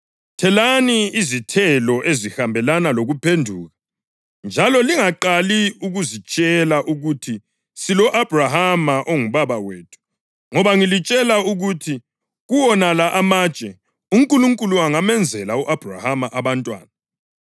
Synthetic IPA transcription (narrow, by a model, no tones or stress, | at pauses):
tʰɛlaniːzitʰɛlɔʔezihambʱɛlanaloɣupʰendʱuːɣa | nd͡ʒʱalɔliŋaǃaliuɣuzit͡ʃʼɛlaʔuɣutʰi | silɔʔab̥ʱrahamaʔoŋuβaβaweːtʰu̥ | ŋɔβaŋilit͡ʃʼɛlauɣutʰi | ɣuwɔnalaʔamaːt͡ʃʼɛ | uŋkʼuluŋkʼuluaŋamɛnd͡zʱɛlauʔab̥ʱra̰hamaʔaβantʼwa̰ːna